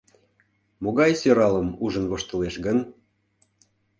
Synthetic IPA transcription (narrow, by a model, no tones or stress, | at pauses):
moɣɑjsøɾɑləmuʒə̆nβoʃt̪ə̆leʃɣən